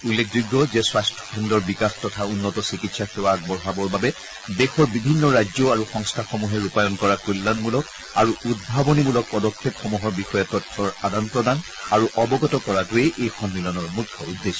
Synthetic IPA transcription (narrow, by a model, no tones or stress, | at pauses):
ulːek̚ʰzuɡːɔzɛswastʰɔ̥kʰɔndɔɹbikaxtɔtʰaunːɔtɔsikitsaxewak̚bɔɹɦabɔɹbabɛ | dexɔɹbibʱinːɔɹajd͡ʒɔaɹuxɔŋstʰaxɔmuɦɛupajɔnkɔɹakulːanmulɔk | aɹuud̚bʱabɔnimulɔk̚pɔdɔkʰːepxɔmuɦɔɹbixɔjɛtɔtʰːɔɹadanpɹɔdan | aɹuʔɔbɔɡɔtɔkɔɹatueʔejxɔnmilɔnɔɹmukʰːɔudːesɔ̥